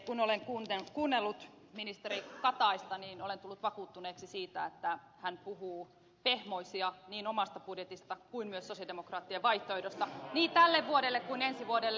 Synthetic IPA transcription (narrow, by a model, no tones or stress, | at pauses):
kunoleŋkuːnt̪ekuːnːelːut̪ | minist̪erikɑt̪ɑist̪ɑniːnolent̪ulːut̪ʋɑkuːt̪ːuneːksisiːt̪æet̪ːæ | hænpuhuː | pehmoisiɑniːnomɑst̪ɑpudjet̪ist̪ɑkuinmyøsːosjɑdemokrɑːt̪ːieʋʋɑiht̪oehdost̪ɑniːt̪ælːeʋʋuoɾelːekkuinensiʋuodelː